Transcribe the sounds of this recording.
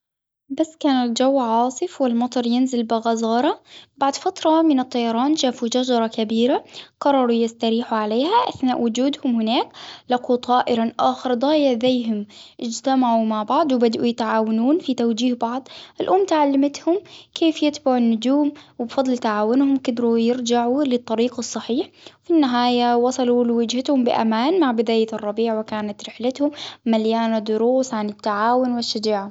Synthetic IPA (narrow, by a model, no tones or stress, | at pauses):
basːkaːnɪld͡ʒawːʕɑːsˤɨfwɪlmɑt̪ˤɑɾˤjɪnzɪlbɪɣazˤɑːɾˤɑbaʕd̪fat̪ɾˤɑmɪnɨt̪ˤːɑjɑɾˤɑːnʃaːfud͡ʒad͡ʒɑɾˤɑkabiːɾaqɑrˤːɑɾˤujɪst̪aɾiːħuʕaleːhaʔaθnaːʔwʊd͡ʒuːd̪hʊmhɪnaːklaquːt̪ˤɑːʔɪɾaʔaːxɪɾd̪ˤɑːjɪʕðajɦʊmʔɪd͡ʒt̪amaʕumaʕbɑʕd̪ˤwbad̪ʔujɪt̪ʕaːwanuːnfit̪awd͡ʒiːhbɑʕd̪ˤʔɪlʔʊmːt̪aʕalːamat̪hʊmkeːfjɪt̪baʕʊnːʊd͡ʒuːmwɪbfɑd̪ˤlt̪aʕaːwʊnhʊmkɪd̪ɾujɪɾd͡ʒaʕulɪt̪ˤːɑɾiːqsˤːɑħiːħfinːɪɦaːjawɑsˤɑlulɪwɪd͡ʒhat̪hʊmbɪʔa̰maːnmaʕbɪd̪aːjarˤːɑbiːʕwɪkaːnat̪ɾɪħlat̪hʊmːaljaːnad̪ʊɾuːsʕanɪt̪ːaʕaːwʊnwɪʃːad͡ʒaːʕa